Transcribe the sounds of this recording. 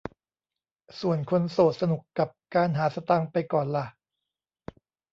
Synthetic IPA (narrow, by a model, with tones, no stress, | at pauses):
su˨˩ənkʰo˧nsoː˨˩t̪̚sa˧nu˨˩kːa˨˩p̚kaː˧nɦaː˩˦sa˧t̪a˧ŋpa˧jkɔː˨˩nla˨˩